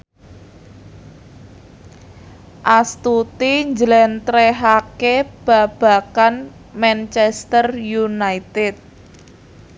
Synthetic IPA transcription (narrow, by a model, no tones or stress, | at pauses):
ʔast̪ut̪iɲd͡ʒlɛnt̪ɾɛɦakeb̥a̤b̥ä̤kan | mɛnt͡ʃɛst̪ərjunait̪ɪt̪̚